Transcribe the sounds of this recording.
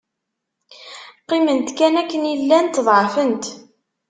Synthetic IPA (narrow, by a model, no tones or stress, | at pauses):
qːimənt̪kænækːənilːænt̪ːðˤʕəfənt̪